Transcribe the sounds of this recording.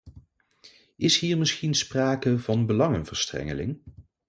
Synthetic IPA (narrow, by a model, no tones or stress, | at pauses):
ɪsɦiːɹmɪsχinspraːkəvɑnbəlɑŋənvəɹstrɛ̰ŋəlɪ̰ŋ